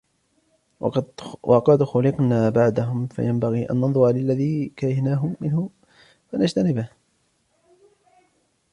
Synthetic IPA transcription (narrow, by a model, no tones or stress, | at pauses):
wʔɑqɑd̪xʊlɪqnaːbaʕd̪aɦʊmfa̰jambaɣiːʔa̰nːɑnðˤʊɾalɪlːaðiːkaːɾɪhnaːɦʊmɪnhʊ | fanad͡ʒt̪anɪbɪh